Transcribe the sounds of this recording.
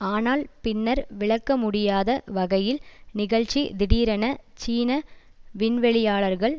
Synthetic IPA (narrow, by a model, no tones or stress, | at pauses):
aːnaːlpɪnːɐɾʋɪɭɐkːɐmʊɽɪjaːðɐʋɐɣɐjɪlnɪɣɐɭt͡ʃːid̪ɪɽiːɾɐnɐt͡ʃiːnɐ | ʋɪnʋɛɭɪjaːɭɐɾɣɐɭ